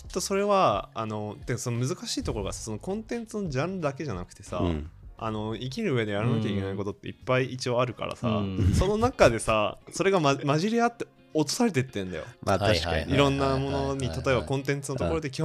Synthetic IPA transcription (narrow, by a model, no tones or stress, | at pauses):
t̪ːo̞so̞ɾe̞βaano̞t̪ːeso̞no̞mɯ̟zɨkaɕiːt̪o̞ko̞ɾo̞ɡasḁso̞nokõ̞nt̪ẽ̞nt͡sɨno̞d͡ʑãnd̪ake̞ʑanakɯ̟t̪e̞sa̰a̰no̞ik̬ʲiɾɯ̟ːβe̞d̪e̞jaɾɯnakʲaike̞naiko̞t̪o̞t̪ːe̞̰ipːaiit͡ɕioaɾɯ̟ka̰ɾa̰sa̰so̞no̞nakad̪e̞saso̞ɾe̞ɡammaʑiɾʲiat̪ːe̞ | ot̪o̥saɾe̞t̪e̞t̪ːẽnd̪a̰jo̰aaiɾõ̞nːamo̞no̞ɲ̟it̪at̪o̞e̞βbakõ̞nt̪ẽ̞nt͡sɨnot̪okoɾo̞d̪e̞kʲi